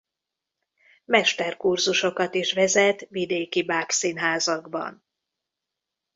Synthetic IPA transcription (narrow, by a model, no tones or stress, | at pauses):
mɛʃt̪ɛrkurzuʃo̞kɒt̪iʃʋɛzɛt̪vid̪eːkibaːksinɦaːzɒɡbɒ̰n